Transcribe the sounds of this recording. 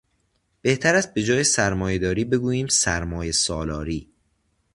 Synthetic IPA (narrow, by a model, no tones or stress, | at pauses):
b̥e̞ht̪ʰæɾæz̚be̞d͡ʒɒːjesæɾmɒːje̞d̪ɒːɾiːbe̞ɡuːjiːmsæɾmɒːjesɒːlɒːɾiː